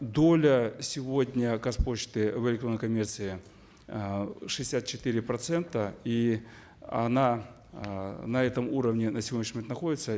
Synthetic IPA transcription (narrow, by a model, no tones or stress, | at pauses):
d̪o̞lʲəsʲɪvodʲnʲəkɐspo̞t͡ɕt̪ɨvɪlʲɪkt̪ɾonəjkɐmʲert̪sɨɪ | ʂɨɪ̥sʲat̪̚t͡ɕɪ̥t̪ɨɾʲɪpɾɐt̪sɛnt̪əi | ɐ̰na | nɐɛt̪əmuɾəvnʲɪnəsʲɪvʲnʲɪʃnʲimʲet̪nɐxo̞dʲɪt̪sə